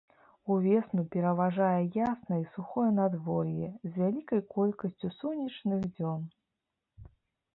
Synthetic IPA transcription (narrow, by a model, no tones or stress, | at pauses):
uvʲɛsnupʲɛɾɐvaʐajɛjasnɐisuxɔjɐnad̪vɔjɛzʲvʲalʲikɐjkɔlʲkɐsʲt͡sʲusunʲit͡ʂnɨɣd͡zʲɔn